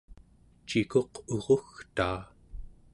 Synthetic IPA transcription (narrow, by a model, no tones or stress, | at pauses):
t͡ʃiko̞qʰoʁoxt̪aː